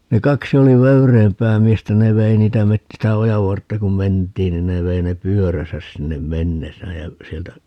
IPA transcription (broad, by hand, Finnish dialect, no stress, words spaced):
ne kɑksi oli ʋøyreːmpæː miestæ ne ʋei niːtæ met sitæ ojɑʋ ʋɑrtːɑ kum mentˑiːn nin ne ʋei ne pyøræsæs sinːem menːesæːj jæ sieltæ